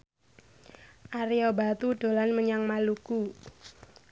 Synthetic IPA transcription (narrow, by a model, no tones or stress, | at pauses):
ʔaɾiobat̪uɖ̥o̤lanməɲaŋmaluku